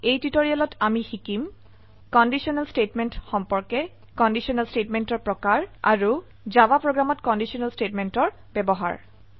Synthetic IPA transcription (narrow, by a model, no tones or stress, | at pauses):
ejtitoɹialɔtamixikim | kɔndisiɔnalstetmɛntxɔmpɔɹkɛ | kɔndisiɔnalstetmɛntɔɹpɹɔkaɹa̰ɹu | zabapɹoɡamɔtkɔndisiɔnalstetmɛntɔɹ | bɛbɔɦa̰ɹ